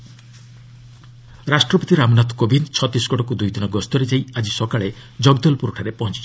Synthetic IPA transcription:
ɾasʈɾɔpɔt̪iɾamnat̪ʰkobʱint͡ʃʰɔt̪isɡɔɽɔkud̪ujd̪inɔɡɔst̪ɔɾed͡ʒajad͡ʒisɔkaɭed͡ʒɔɡd̪ɔlpuɾuʈʰaɾepɔɦɔ̃nt͡ʃi̥t͡ʃʰɔ

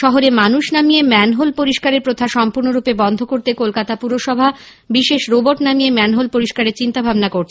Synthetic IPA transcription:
ʃɔɦoɾemanuʃnamijemɛnɦolpoɾiʃkaɾeɾpɾot̪ʰaʃɔmpuɾnoɾupebɔnd̪ʱokoɾt̪ekolkat̪apuɾoʃɔbʱa | biʃeʃɾoboɾʈnamijemɛnɦolpoɾiʃkaɾeɾt͡ɕint̪abʱabnakoɾt͡ɕʰ

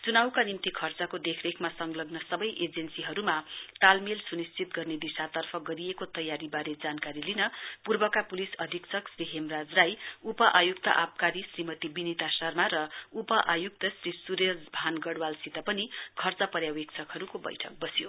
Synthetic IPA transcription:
t͡sunawkanimt̪ikʰʌrt͡sʌkod̪ekʰrekʰmasʌŋɡlʌɡnʌsʌbʌjʔed͡zensiɦʌɾumat̪almilsunist͡sʰit̪ɡʌrned̪isat̪ʌrpʰʌɡʌɾiekot̪ʌjaɾibaɾed͡zankaɾilinʌpurbʌkapulisʌd̪ʱikt͡sʰʌksriɦemrad͡zrajupʌʔajukt̪ʌ̰ʔap̚kaɾisrimʌt̪ibinit̪asʌrmaɾʌupʌʔajuk̚t̪ʌsrisuɾesbʱanɡʌɽwalsit̪ʌpʌnikʰʌrt͡sʌpʌɾjawekt͡sʰʌkɦʌɾukobʌ̰jʈʰʌk̚bʌsjo

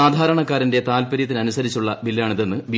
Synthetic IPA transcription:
aːd̪ʱaːɾɐɳɐkːaːɾinde̞t̪aːlpɐɾjɐt̪ːinɐnusɐɾit͡ɕːuɭːɐbilːjaːɳiðenːɨʋi

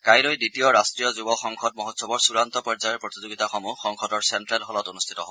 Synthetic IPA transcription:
kajlojditijɔɹastɹijɔzubɔxɔŋkʰɔd̚mɔɦotsɔbɔɹsuɹant̪ɔpɔɹzajɔɹpɹot̪izoɡitaxɔmuxɔŋkʰɔdɔɹsɛntɹɛlɦɔlɔtonust̪ʰitɔɦɔb

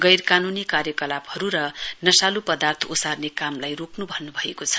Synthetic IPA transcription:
ɡʌjrkanunikaɾjʌkʌlabhʌɾuɾʌnʌsalupʌd̪art̪ʰosarnekamlajroknubʱʌnːubʱʌekot͡sʰʌ̥

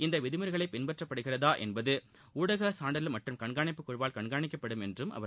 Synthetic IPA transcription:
ɪnd̪ɐʋɪðɯmɯɾɣɐɭɐɪpːɪnbɐʈrɐpːɐɽɯɣɪrɐðaːʔɛ̰nbɐðɯ | uːɽɐɣɐsaːɳɖɐɪlmɐʈrɯmkɐɳɡaːɳɪpːɯkːɔɻbaːlkɐɳɡaːɳɪkːɐpːɐɽɯmɛndrɯmʔɐ̰ʋɐ

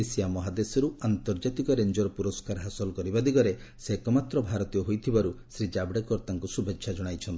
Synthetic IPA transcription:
isijamɔɦad̪esɔɾuant̪ɔɾd͡ʒat̪ikɔɾend͡ʒɔɾpuɾɔskaɾɦasɔlɔkɔɾibad̪iɡɔɾe | sekɔmat̪ɾɔbʱaɾɔt̪ijɔɦojt̪ʰibaɾusɾid͡ʒabɽekɔɾt̪aŋkusubʱekʃʰad͡ʒɔɽ̃ajt͡ʃʰɔnt̪i

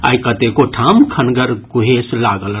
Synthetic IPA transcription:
a̰ikət̪ekoʈʰamkʰənɡəɾɡuɦeslaɡəl

